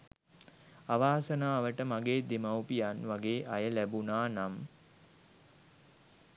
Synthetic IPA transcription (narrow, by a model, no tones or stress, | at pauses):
aʋaːsənaːʋəʈəmaɡeːd̪emawpijanʋaɡeːʔajəlæbunaːnam